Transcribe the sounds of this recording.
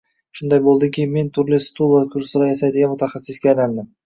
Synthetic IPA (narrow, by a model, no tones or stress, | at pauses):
ʃʊnd̪ajbolˠd̪ɪkʲɪme̞nt̪ʰʊɾlɪst̪ʰulˠakʰʊɾsɪɾajasajd̪ɪɡʲanmʊt̪ʰaχasːɪsɡʲaːjland̪ɪm